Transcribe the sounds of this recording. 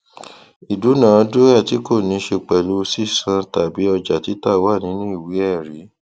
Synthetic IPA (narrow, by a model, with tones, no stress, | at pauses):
i˨du˨˦nã˨ɔ˧˦do˦a˦˨ti˨˦ko˦˨nĩ˨˧˦ʃe˧k͡pɛ˨lo˧˦si˦˨sã˧ta˨bi˨˦ɔ˧d͡ʒa˨ti˨˦ta˦wa˦˨nĩ˨˦nũ˦i˦˨wi˨˦ɛ˦˨ɾi˨˦